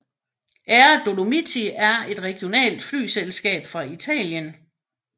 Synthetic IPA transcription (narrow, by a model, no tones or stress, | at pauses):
ʔæd̥o̝lo̝mit͡sʰiæɐe̝d̥ʁɛɡ̥jo̝nɛ̰ːld̥fly̰ːselsɡ̥ɛ̰ːb̥fʁɑ̈it͡sʰɛ̰ːljən